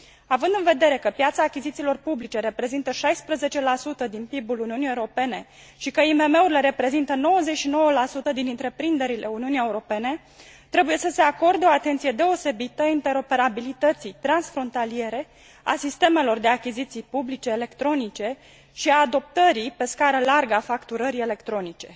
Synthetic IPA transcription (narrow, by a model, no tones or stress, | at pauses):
avɨnd̪ɨnve̞d̪e̞ɾe̞kəpjat̪saːkʲizit̪silo̞rpublit͡ʃe̞ɾe̞pɾe̞zint̪əʃajspɾəze̞t͡ʃe̞lasut̪əd̪inpibuluniunijeuɾope̞ne̞ | ʃikəime̞me̞uɾile̞ɾe̞pɾe̞zint̪əno̞wəzet͡ʃʃino̞wəlasut̪əd̪inɨnt̪ɾe̞pɾind̪e̞ɾilʔe̞uniunije̞uɾo̞pe̞ne̞ | t̪ɾe̞buje̞səse̞ako̞rd̪eo̞at̪e̞nt̪sije̞d̪e̞o̞se̞bit̪əint̪e̞ɾo̞pe̞ɾabilit̪ət̪sijt̪ɾansfɾo̞nt̪alie̞ɾe̞ | a̰sist̪e̞me̞lo̞rd̪e̞akʲizit̪sijpublit͡ʃe̞ːle̞kt̪ɾo̞nit͡ʃe̞ | ʃiaːd̪o̞p̚t̪əɾipe̞skaɾəlarɡəafakt̪uɾəɾie̞le̞kt̪ɾo̞nit͡ʃe̞